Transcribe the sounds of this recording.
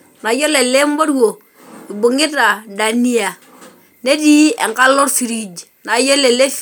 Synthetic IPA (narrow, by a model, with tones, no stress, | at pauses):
na˨jo˦le˨le˦mbo˦ɾu˦wo˨ | i˨bu˨ŋi˦ta˨da˨ni˦a˨ | ne˦di˦ḛ˨ŋka˦lo˦ɾfi˨ɾi˨d͡ʒ | na˨jo˦le˨le˦